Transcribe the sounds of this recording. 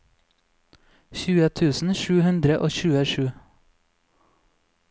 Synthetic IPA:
çʉːət̪ʰʉːsn̩ʃʉːhʉnd̪ɾəʔoːçʉːəʃʉː

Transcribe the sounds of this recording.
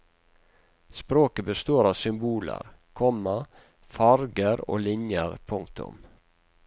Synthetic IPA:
spɾoːkəbəst̪oːɾɑːʋsʏmbuːlə̰ɾkʰɔmɑ | fɑɾɡəɾo̰ːlɪɲjəɾpʰʊŋk̚t̪ʰʊ̰m

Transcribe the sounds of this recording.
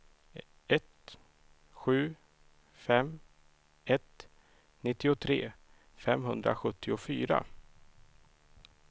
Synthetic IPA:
ɛt̪ | ɧʉ̟ː | fɛm | ɛt̪ | nɪt̪ːɪʊt̪ʰɾḛː | fɛmɦɵnd̪ɾa̰ɧɵt̪ʰːɪʊfyːɾa̰

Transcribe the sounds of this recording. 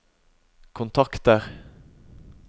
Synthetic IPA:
kʰʊnt̪ʰɑkt̪əʁ

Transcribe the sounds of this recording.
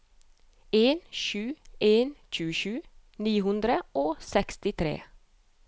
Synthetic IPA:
eːnʃʉːeːnc͡çʉːəʃʉːniːhʉnd̪ɾəʔoːsɛkst̪ɪt̪ʰɾḛː

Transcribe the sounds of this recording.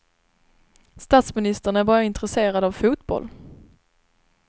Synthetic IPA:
st̪ɑːt̪smɪnɪst̪əɳæɾbɑːɾaɪnt̪ɾɛseːɾad̪avfuːt̪bɔ̰lː

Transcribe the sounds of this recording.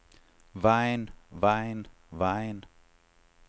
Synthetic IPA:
vaɪnvaɪn | vaɪn

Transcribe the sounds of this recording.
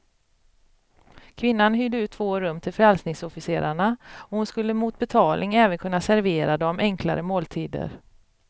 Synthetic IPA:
kʰvɪnːanɦyd̪əʉ̟ːt̪ʰːvoːɾɵmːt̪ʰɪlfœɾɛlsnɪŋsɔfɪseːɾaɳaɔhʊnskɵlːəmuːt̪̚bɛt̪ʰɑːlnɪŋɛːvənkʰɵnːasæɾveːɾad̪ɔmɛŋkʰla̰ɾəmoːlt̪ʰiːd̪ə̰ɾ

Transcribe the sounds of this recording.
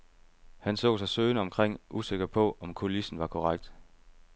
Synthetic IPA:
hænsɔ̰̽ːsɑ̈ɪsøːnəɒ̽mkʰʁeŋ̰ʔuse̝ɡ̥ɐpʰɔ̽ɒ̽mkʰo̝lisn̩ʋɑ̈kʰɒʁaɡ̥̚d̥

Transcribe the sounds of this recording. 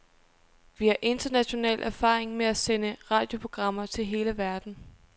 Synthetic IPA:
ʋihɑ̈ʔe̝nd̥ɐnæɕo̝nɛ̰ːlʔæɐfɑ̰̈ːeŋmeæsenəʁɑ̈ːd̥jo̝pʰʁo̝ɡ̥ʁɑ̈m̰ɐt͡sʰe̝lɦe̝ːləʋæɐd̥n̩

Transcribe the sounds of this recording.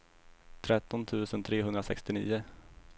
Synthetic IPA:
t̪ʰɾɛt̪ːɔnt̪ʰʉ̟ːsənt̪ʰɾeːɦɵnd̪ɾasɛ̰kst̪ɪnḭːʊ

